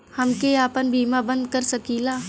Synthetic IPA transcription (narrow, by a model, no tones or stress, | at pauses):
hɐmkeaːpənbʱiːmabə̃nd̪̚kɐɾsɐkiːlaː